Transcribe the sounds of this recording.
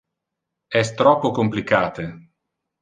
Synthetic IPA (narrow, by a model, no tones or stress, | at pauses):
ɛst̪ɾɔpːokomplikaːt̪e